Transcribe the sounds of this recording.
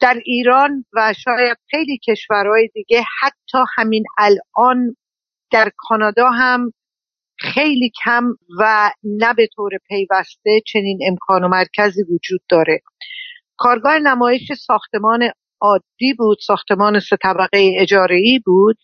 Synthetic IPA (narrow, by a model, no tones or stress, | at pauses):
d̪̥æɾiːɾɒːnvæʃɒːjæd̪̥xe̞jliːcʰe̞ʃvæɾhɒːjed̪iːɟe̞hæt̪ʰːɒːhæminælɒːn | d̪̥æɾkʰɒːnɒːd̪ɒːɦæm | xe̞jliːcʰæmvænæbe̞t̪ʰoːɾepʰe̞jvæst̪e̞t͡ʃʰe̞niːne̞mkʰɒːnomæɾcʰæziːvod͡ʒuːd̪ːɒːɾe̞ | kʰɒːɾɡɒːhenæmɒːjeʃesɒːxt̪e̞mɒːne̞ | ɒːd̪ːiːbuːd̪̥sɒːxt̪ʰe̞mɒːne̞se̞t̪ʰæbæɣejeed͡ʒɒːɾe̞iːbuːd̪̥̚